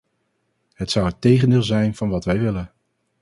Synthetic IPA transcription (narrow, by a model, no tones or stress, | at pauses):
ɦətsʌwətejχəndɪːlˠzɛjnv̥ɑnʋɑtʋɛjʋɪlən